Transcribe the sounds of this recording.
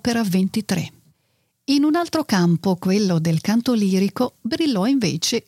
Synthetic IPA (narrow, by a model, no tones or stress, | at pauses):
peɾavent̪it̪ɾḛ | inunalt̪ɾokampokwelːod̪elkant̪oliːɾikobɾilːɔiɱvḛːt͡ʃe